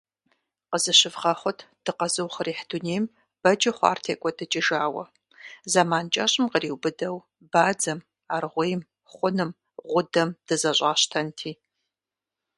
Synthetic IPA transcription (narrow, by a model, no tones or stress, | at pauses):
qəzɨɕɪvʁɐχʷʊtʰ | d̥ɨqɐzɨwχəriːħduneːjm | b̥ɐd͡ʒɐχʷɑ̰ːrtʰeːkʷʼɔdɨt͡ʃʼɪʒaːwɐ̰ | zamaːnt͡ʃʼɐɕʼɪmqəriːwbɨdɐw | baːd͡zɐm | aːrʁʷejm | χʷʊnɨm | ʁʷʊdɐmd̥ɨzɐɕʷʼaːɕtʰɐntʰiː